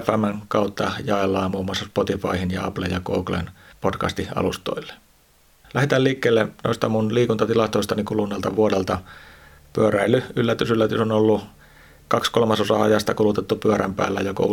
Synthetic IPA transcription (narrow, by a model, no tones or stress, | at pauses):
fæmːæŋkɑut̪ːɑjɑelːɑːmmuːmuɑsːɑspot̪ifɑihinjɑɑplḛjɑko̰ːklḛnpotkɑ̰st̪iɑ̰lust̪o̰ilːe̥ | læhet̪ælliːkːeːlːeno̰ist̪ɑmunliːkunt̪ɑt̪ilɑst̪oist̪ɑnikulunːelt̪ɑʋuodelt̪ɑ | pyøɾæilːyylːæt̪ysylːæt̪ysonolːu | kɑkskolmɑsosɑɑjɑst̪ɑkulut̪et̪ːupyæɾæmpæ̰ːlːæjoko̰u